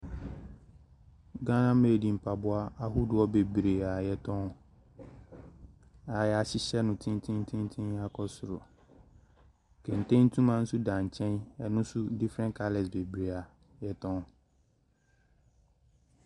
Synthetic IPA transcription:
ɡã˦nã˦me˨di˨m̩˨pʰa˨bʊ˦a˦a˦ɦʊ˦dʊ˨ɔ˦be˨bɾe˨a˨jɛ˦tʰɔ̃˦n | a˨jɛ˨a˨ɕɪ˦ɕɛ˦nʊ̃˨tʰɪ̃˦n˦tʰĩ˦n˦tʰĩ˦n˦tʰɪ̃˦na˦kʰɔ˦sʊ˨ɾʊ̰˨ | kʰɛ̃˨n˨tʰẽ˦n̩˦tʰũ˦mã˦n̩˦sʊ˦dã˨ɲ˨t͡ɕʰɛ̃˦nɛ˨nʊ̃˦sʊ˦di˦fɾɛ̃˦nkʰa˦lɛ˨sbe˨bɾe˨a˨ | jɛ˦tʰɔ̃˦n

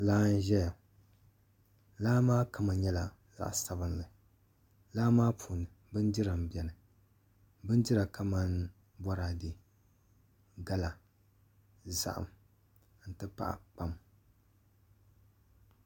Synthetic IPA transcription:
laː˦n̩˦ʒɛ˦ja˨ | laː˦maː˦kʰa˨ma˨ɲɛ˦la˨ | za̰˨ʔsa˦bɨ˦nlɨ˨ | laː˦maː˦pʰuː˨nɨ˨ | bɨ˦ndɪ˦ɾa˨m˨bɛ˨nɨ˨ | bɨ˦ndɪ˦ɾa˨ka˦ma˦n | bɔ˦ɾa˨dɨ˨ | ɡa˦la˨ | za̰˨ʔa̰˨m | n̩˨tɨ˦pa̰˦ʔa̰˨k͡pa˦m

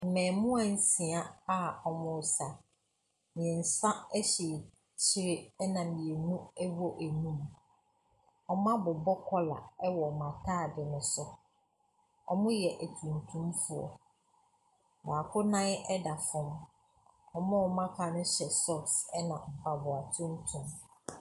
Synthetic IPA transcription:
m̩˨mɛ̃˨mʊ̃˦ã˨n̩˦sĩ˨a˦a˦˨ɔ˨mʊ̃˨sa˨ | mĩ˨ɛ̃˨n̩˨sã˦ɛ˦ɕi˨ | t͡ɕʰɪ˦ɾɪ˦ɛ˦nã˨mĩ˨ɛ˨nũ˦ɛ˦wɔ˦ʔæ˨nũ˦m | ɔ˨mã˦bʊ˨bɔ˦kʰɔ˦la̰˨ɛ˦wɔ˨mã˨tʰaː˦˨dɪ˨nʊ̃˨sʊ˦ | ɔ̰˦mʊ̃˦jɛ˨ʔæ˨tʰũ˨n˨tʰũ˦mfu˦ɔ̰˨ | baː˨kʰʊ˦nã˦nɛ˦da˨fɔ̃˦m | ɔ˨mɔ̃˦ɔ˨mã˦kʰa˨nʊ̃˦ɕɛ˨sɔ˦ksɛ˦nã˨ba˨bʊ˨a˨tʰʊ̃˦n̩˦tʰũ˨m

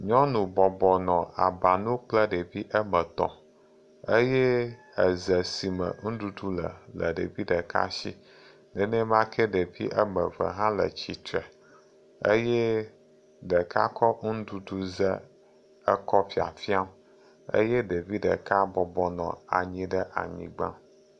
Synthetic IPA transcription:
ɲɔ̃˦nũ˨bɔ˨bɔ˨nɔ̃˨a̰˨ba˨nũ˦k͡plə˦ɖe˨vi˦ʔə˦mə̃˨t̪ɔ̰̃˨ | e˦je˦ | ə˨zə˨si˨mə̰˨ŋũ˦du˦du˦lə˨lə˨ɖe˨vi˦ɖə˨ka̰˦ʃḭ˦ | nɛ˨nɛ˦mã˦kʰɛ˦ɖe˨vi˦ʔə˦mə˨və̰˨ɦã˦lə̰˨t͡ɕi˨t̪ɾɛ˨ | ə˦jɛ˦ | ɖə˨kʰa˦kɔ˦ŋ̩˦du˦du˦zə˦ | ə˦kɔ˦fi˨a̰˨fi˦a˦m˦ | ḛ˦je˦ɖe˨vi˦ɖə˨ka˦bɔ˨bɔ˦nɔ̰̃˨a̰˨ɲĩ˦ɖə˦ʔa̰˨ɲḭ̃˨ɡ͡bã̰˦

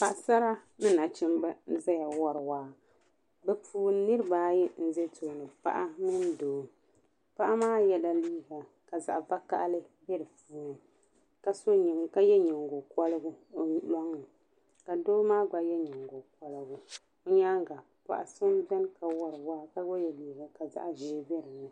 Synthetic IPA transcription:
pa˨ʔsa˦ɾa˦nɨ˦na˨t͡ʃɪ˦mbɛ˦n̩˦za˦ja˨wɔ˦ɾwaː˦˨ | bɛ˨puː˨˦nɨ˦ɾɨ˦baː˦jɛ˦n̩˦zɛ˦to˨nɨ˨pa̰˦ʔa˦mɨ˦n˦doː˨ | pa˦ʔa˦maː˦jɛ˦da˦liː˦ɡa˨ | ka˨za̰˨ʔba˦ka̰˦ʔlɨ˦bɛ˦ɾɨ˨fuː˦n˨ | ka˨so˦ɲi˨ŋka˦jɛ˦ɲɪ˨ŋ˨ɡo˨kɔ˦lɨ˦ɡʊ˦˨˦lɔ˦ŋːɨ˨ | ka˨doː˦maː˦ɡ͡ba˨jɛ˦ɲɪ˨ŋɡo˨k̚ɔ˦lɨ˨ɡʊ˦ | o˦ɲa˦ŋ˦ɡa˨ | pa̰˦ʔa̰˦sɨ˦m˦bɛ˦n˦ka˨wɔ˨ɾwaː˦ka˦ɡo˦jɛ˨liː˨˦ɡa˨ka˨za̰˨ʔʒi˦bɛ˦ɾɨ˨nɨ˨

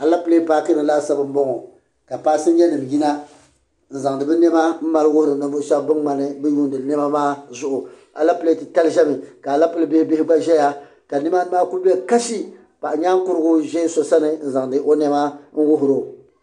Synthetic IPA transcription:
a˨la˦pɨ˦le˦paː˦kɨ˦nɨ˨la˦˨sa˦bɨ˦m̩˦bɔ˦ŋo˨ | ka˨paː˦sɨ˦nɲɛ˦nɨ˨m˨ji˦na˦ | n̩˨za˨ŋ˨dɨ˨bɨ˦nɛ˦ma˦m̩˦ma˨lwʊ˦hɾɨ˨nɨ˨vʊ˦ʃɛ˦bbɨ˦ŋŋ͡ma˨nɨ˦bɨ˦ju˦ndɨ˨nɛ˦ma˦maː˦zʊ˦ʔʊ˨ | a̰˨la˦pɨ˦le˦tɨ˨ta˦lʒɛ˦mɨ˨ka˨la˦pɨ˦lɨ˦be˦hbe˦ɪ˦ɡ͡ba˦ʒɛ˦ja˦ | ka˨ni˦ma˦maː˦ku˦bi˦ɛ˦ka˦ʃi˦ | pa˨ʔɲaː˦ŋ˦kʊ˦ɾɨ˦ɡʊ˦ʒɛ˦so˨sa˦nɨ˨n̩˦˨za˨ŋdɨ˨˦ʔo˦nɛ˦ma˦n̩˦wʊ˦ɦʊ˨ɾo˨

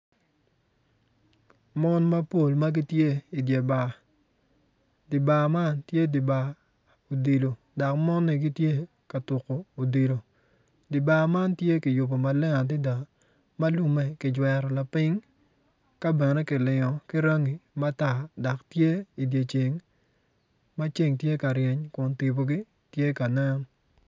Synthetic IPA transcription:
mɔ˦nma˦po˦˨lma˦ɡi˦tje˦i˨dje˨ba˨ | di˨ba˨ma˦ntje˦di˨ba˨ | o˨di˨lo˨ | da˨kmɔ˦nːɪ˨ɡi˦tje˦ | ka˨tʊ˨ko˨o˨di˨lo˨ | di˨ba˨ma˦ntje˦kɪ˨jʊ˨bo˨ma˨lɪ˦ŋa˨t̬ɪ˦da˨ | ma˦lu˦mɛ˨kɪ˨d͡ʒwɛ˨ɾɔ˨la˨pɪ˦ŋ | ka˦bɛ˨nɛ˦kɪ˨lɪ˨ŋɔ˨kɪ˦ɾa˦ŋi˨ma˦ta˨da˨ktje˦i˨dje˨t͡ʃe˨ŋ | ma˦t͡ʃe˦ŋtje˦ka˨ɾjɛ˨ɲkʊ˨nti˨bo˨ɡi˦ | tje˦ka˨nɛ˦n˨

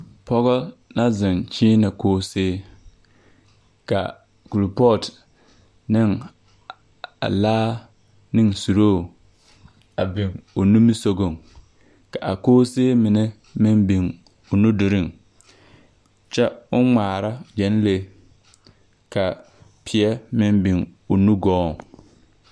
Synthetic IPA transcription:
pɔ˦ɣɔ˦na˦zɪ˨nt͡ʃɪː˦na˨koː˦seː˦ | ka̰˨ | ku˨lpɔ˦˨t | nɪ˦˨ŋ | a̰˨laː˦ | nɪ˦ŋsu˨ɾoː˦˨ | a˨bɪ˨ŋʊ˨nu˦mi˦so˦ɡo˦˨ŋ | ka˨ʔa˨koː˦seː˦mɪ˨nɛ˦ | mɪ˦mbɪ˨ŋ | ʊ˨nu˦dʊ˨ɾɪ˦˨ŋ | t͡ʃɛ˦ʊ˦ŋ͡maː˨ɾa˦d͡ʒɛ˨˦n˦le˦ | ka˨ | pʰɪ˨ɛ˦mɪ˦mbɪ˨ŋʊ˨nu˦ɡɔː˦˨ŋ

